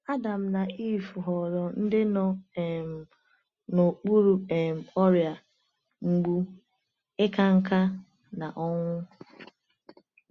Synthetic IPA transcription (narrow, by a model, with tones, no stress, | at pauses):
a˦da˨m̩˦na˨i˦˨fu˨ɦɔ˨ɾɔ˨n̩˦dɪ˦nɔ˦e˨m̩˨ | no˨k͡pu˦ɾu˨ɛ˨m̩˨ɔ˦ɾja˨ | ŋ͡m̩˦ɡ͡bu˦ | ɪ˦ka˦ŋ̩˦ka˦ | na˨ʔɔ˦ŋʷʊ˦